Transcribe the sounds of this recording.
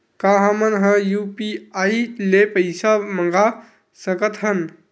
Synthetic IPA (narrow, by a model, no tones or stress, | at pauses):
kaɦəmənɦə̃jupiailepəɪsaməŋɡa | səkət̪ɦən